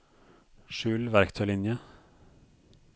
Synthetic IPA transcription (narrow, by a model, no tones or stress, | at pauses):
ʃʉːlʋæɾkt̪ʰœʏlɪnjə